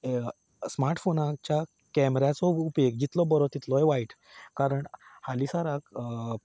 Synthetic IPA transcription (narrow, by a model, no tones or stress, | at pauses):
smaɾʈfonak̚t͡ɕa | kɛmɾat͡sɔupek̚d͡ʑit̪lɔbəɾɔt̪it̪lɔɦɛʋaiʈ | kaɾəɳhalisaɾak